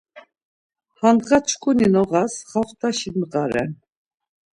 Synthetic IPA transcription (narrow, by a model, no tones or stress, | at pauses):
hand̪ʁat͡ʃʰkʼuninɔʁasχaχt̪ʰʼaʃiməqʼaɾɛ̰n